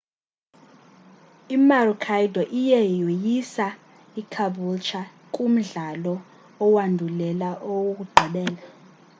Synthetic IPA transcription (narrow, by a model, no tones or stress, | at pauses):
imarukʰajidʱɔʔijɛjojisa | ikʰabult͡ʃʰa | k̬ʼum̩ɮalɔː | wandʱulɛlaʔowok̬ʼuɡ͡ǃʱiɓɛːl̬a